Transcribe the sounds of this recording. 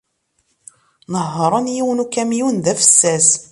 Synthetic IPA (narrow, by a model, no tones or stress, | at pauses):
nəɦːəɾˤɑnjiwənukːæmjunðæfə̥sːæz